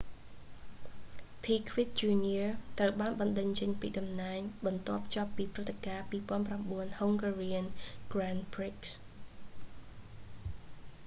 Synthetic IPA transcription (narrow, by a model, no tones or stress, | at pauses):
pʰiːkʰʋit̪̚t͡ɕuːniət̪rəwɓaːnɓɑnɗəɲt͡ɕəɲpḭːɗɑmnaɛŋɓɑnt̪ŏəp̚ʰt͡ɕŏəpːiːprɨt̪ːekaːpiːpoənpramɓuənhoŋɡariənɡ̥ranpriks